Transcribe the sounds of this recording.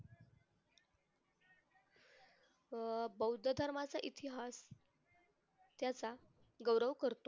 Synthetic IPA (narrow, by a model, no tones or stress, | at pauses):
bəwd̪ʱəd̪ʱəɾmat͡saʔit̪iɦas | t̪jat͡sa | ɡəwɾəʋkəɾt̪o